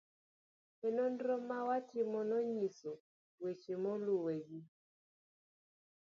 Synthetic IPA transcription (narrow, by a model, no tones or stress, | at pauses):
ɛnondɾomawatʰɪmɔnɔɲiso | wet͡ʃemɔluweɡi